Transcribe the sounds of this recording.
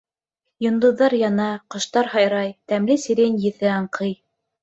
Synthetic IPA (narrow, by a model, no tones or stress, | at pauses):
jŏnd̪ɤ̆ðːɑɾjɑnɑqŏʃt̪ɑɾhɑjɾɑjt̪æmlɘsiɾʲenjɘ̆θɘɑɴqʰɤj